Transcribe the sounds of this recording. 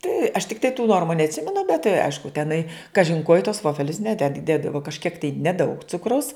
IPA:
tɐɪ ɐʃ tʲɪkˈtɐɪ tuː ˈnoːrmʊ nʲɛɐtʲˈsʲɪmʲɛnʊ bʲɛt tɐɪ ˈɐɪʃkʊ tʲɛˈnɐɪ ˈkɑːʒʲɪn koː ɪ tuɔs ˈʋoːfʲɛlʲʊs ˈnʲæːdʲɛt ˈdʲeːdɐʋoː kɐʃʲˈkʲiɛk tɐɪ nʲɛˈdɐʊk ˈt͡sʊkrɐʊs

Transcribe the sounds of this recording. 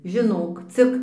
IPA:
ʒʲɪˈnoːk ˈt͡sʲɪk

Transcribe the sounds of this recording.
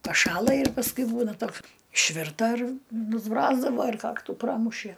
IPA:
pɐˈʃɑːlˠɐ ɪr pɐsˈkʊɪ ˈbuːnɐ ˈtoːks ɪʃʲˈʋʲɪrtɐ ɪr nʊzˈbroːzdɐʋoː ɪr ˈkɑːktuː ˈprɑːmʊʃʲiɛ

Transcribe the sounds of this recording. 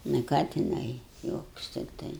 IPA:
nʊ ˈkɑː tʲɪˈnɐɪ ˈjuɔkʊs tʲɪkˈtɐɪ

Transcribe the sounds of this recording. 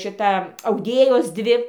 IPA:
ˈʃʲɪtɐ ɐʊˈdʲeːjoːs ˈdʲʋʲɪ

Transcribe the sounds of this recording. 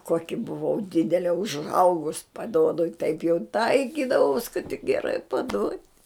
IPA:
ˈkoːkʲɪ bʊˈʋɐʊ ˈdʲɪdʲɛlʲɛ ʊʒˈɐʊɡʊs pɐˈduɔdʊ ɪ tɐɪp jɛʊ ˈtɐɪkʲiːdɐʋɐʊs kɐt tʲɪk ɡʲɛˈrɐɪ pɐˈduɔtʲ

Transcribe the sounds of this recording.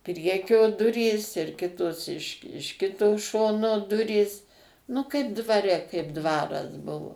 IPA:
ˈpʲrʲiɛkʲoː ˈdʊrʲiːs ɪr ˈkʲɪtoːs ɪʃ ɪʃ ˈkʲɪtoː ˈʃoːnoː ˈdʊrʲiːs nʊ kɐɪp dʋɐˈrʲɛ kɐɪp ˈdʋɑːrɐs ˈbʊʋoː

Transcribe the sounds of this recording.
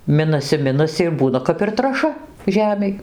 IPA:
ˈmʲɪnɐsʲɪ ˈmʲɪnɐsʲɪ ɪr ˈbuːnɐ kɐp ɪr trɐˈʃɐ ˈʒʲæːmʲɛɪ

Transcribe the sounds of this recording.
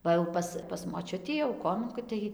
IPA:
ˈʋɐ jɛʊ ˈpɐs pɐs moːˈt͡ʃʲʊtʲiː jɛʊ ˈkoːmʲɛŋkoːj tɐɪ

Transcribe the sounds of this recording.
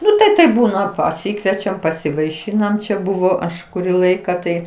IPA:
ˈnʊ ˈtɐɪ tɐɪp ˈbuːnɐ pɐˈsʲiːkʋʲiɛt͡ʃʲɛm pɐsʲɪʋɐɪˈʃʲiːnɐm ˈt͡ʃʲɛ ˈbʊʋoː ˈɐʃ kʊˈrʲiː ˈlˠɐɪkɐ tɐɪ

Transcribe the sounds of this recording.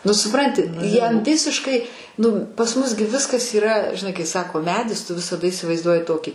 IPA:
ˈnʊ sʊˈprɐnʲtʲɪ ˈjɛm ˈʋʲɪsʲɪʃkɐɪ ˈnʊ pɐs ˈmʊs ɡʲɪ ˈʋʲɪskɐs iːˈrɐ ʒʲɪˈnɐɪ kɐɪ ˈsɑːkoː ˈmʲæːdʲɪs ˈtʊ ʋʲɪsɐˈdɐ ɪsʲɪʋɐɪzˈduɔjɪ ˈtoːkʲiː

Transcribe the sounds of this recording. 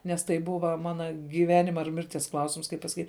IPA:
nʲɛs ˈtɐɪ ˈbʊʋɐ ˈmɑːnɐ ɡʲiːˈʋʲæːnʲɪmɐ ɪr ˈmʲɪrʲtʲiɛs ˈklˠɐʊsʲɪms kɐɪp pɐsɐˈkʲiːtʲ

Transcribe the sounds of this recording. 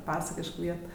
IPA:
ˈpɑːsɐkʲɪʃk ˈʋʲiɛt

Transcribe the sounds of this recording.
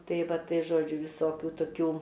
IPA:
tɐɪ ˈʋɐ ˈtɐɪ ˈʒoːd͡ʒʲʊ ʋʲɪˈsoːkʲʊ toːˈkʲuː

